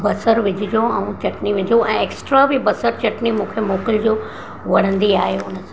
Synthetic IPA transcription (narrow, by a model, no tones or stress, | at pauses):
bɐsəɾʋɪd͡ʑʱɪd͡ʑoɛ̃ũt͡ɕɐʈniʋɪd͡ʑoʔɛ̃ːeːksʈɾabibɐsəɾt͡ɕɐʈnimũːkʰemoːkɪld͡ʑoː | ʋɐɽ̤ə̃nd̪iaːɦeʊnəsã